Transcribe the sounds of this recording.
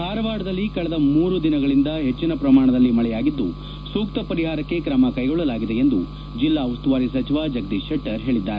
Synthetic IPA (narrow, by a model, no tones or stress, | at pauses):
haːɾɐʋaːɽɐd̪ɐlːikɐɭɐd̪ɐmuːɾud̪inɐɡɐɭind̪ɐɦet͡ʃːinɐpɾɐmaːɳ̃ɐd̪ɐlːimɐɭɛjaːɡid̪ːṵ | suːk̚t̪ɐpɐɾiɦaːɾɐkːe̞kɾɐmɐkɐjɡɔɭːɐlaːɡid̪e̞end̪u | d͡ʒilːaːɐʋɐst̪uʋaːɾis̬ɐt͡ʃiʋad͡ʒɐɡd̪iːʃɐʈːɐɾɦe̞ːɭid̪ːaːɾe